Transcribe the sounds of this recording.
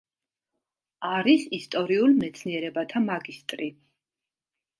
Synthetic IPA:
aɾisist̪ʼɔɾiulˠmɛt̪sʰniɛɾɛbat̪ʰamaɡist̪ʼɾi

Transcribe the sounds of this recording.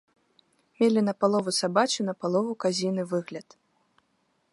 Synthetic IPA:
mʲelʲinɐpalˠɔvusabat͡ʃunɐpalˠɔvukazʲinɨvɨɣlʲɐt̪

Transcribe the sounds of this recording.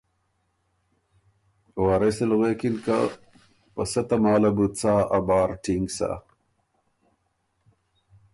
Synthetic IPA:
waːɾeselɣweːkinka | pɐsɐt̪ɐmaːlɐbut͡saːɐbɑːɾʈʰiŋɡsa̰

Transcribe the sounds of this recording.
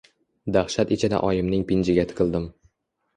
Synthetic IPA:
d̪aχʃat̪ɪt͡ʃʰɪd̪a̰ʔɒjɪmnɪŋpɪnd͡ʒɪɡʲat̪ʰɪ̥qʰɨlˠd̪ɪm

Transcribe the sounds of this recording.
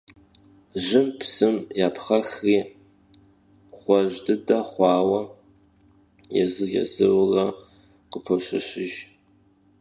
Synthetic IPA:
ʒɪmpʰsɨmjaːpʰχaxri | χʷaʒdɨdaχʷɑːwa | ja̰zɨɣʲa̰zɨwra | qəpʰoʃʷaʃʷɪʒ

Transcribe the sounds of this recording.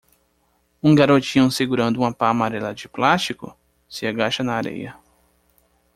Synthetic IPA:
ũɡaɾot͡ʃĩɲũseɡuɾɐ̃nd̪ʊũmɐpamaɾɛlɐd͡ʒɪplast͡ʃikʊ̰ | sɪaɡaʃɐnɐːɾḛjɐ̰

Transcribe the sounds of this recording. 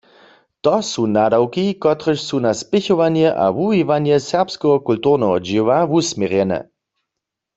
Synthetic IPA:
t̪ɔsunadawkikɔt̪ʁəʃsunaspɪçɔʋanjɛʔa̰ʋuɦiʋanjɛsɛʁpskɛɦɔkultuʁnɛɦɔd͡ʒɪwaʋusmjɛʁjɛnɛ̰

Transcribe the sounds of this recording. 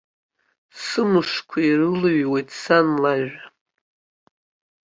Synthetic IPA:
sɨmɨʂkʷʰairɨlɨɥwejtʰʼsanlaʒʷᶣa

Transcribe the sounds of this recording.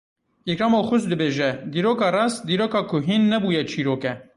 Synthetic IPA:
jɛkɾɑːmaxʊʃd̪ɨbeːʒɛd̪iːɾoːkɑːrɑːsd̪iːɾoːkɑːkʰʊɦinːɛbuːjɛt͡ʃʰiːɾoːkɛ

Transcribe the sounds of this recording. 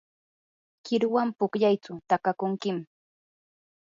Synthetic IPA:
kɪɾʊwampʊkʎajt͡sʊt̪akakʊŋkɪm

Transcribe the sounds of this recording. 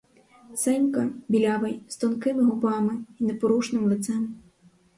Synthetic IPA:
sɛnʲkɐbʲilʲavɐjst̪ɔnkɪmɨɦɔbamɨinɛpɔɾuʂnɨmlˠɨt̪sɛm

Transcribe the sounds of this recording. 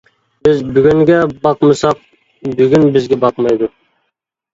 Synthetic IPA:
bɪzbʏɡʲyŋɡʲɛbɑqməsɑq̚ | bʏɡʲynbɪzɡʲɛbɑqmɑjd̪ʊ

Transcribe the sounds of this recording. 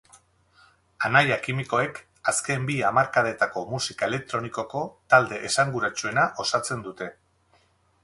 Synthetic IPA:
anajakimiko̞e̞k | aske̞mbiamaɾkaðe̞t̪ako̞musikaele̞k̚t̪ɾo̞niko̞ko̞t̪ald̪e̞ʔesaŋɡuɾat͡ʃue̞naʔo̞sat͡se̞nd̪ut̪e̞

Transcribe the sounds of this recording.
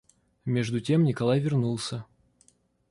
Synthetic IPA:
mʲeʐd̪ʊtʲe̞mnʲɪkɐlˠajvʲɪrnulˠsʲə

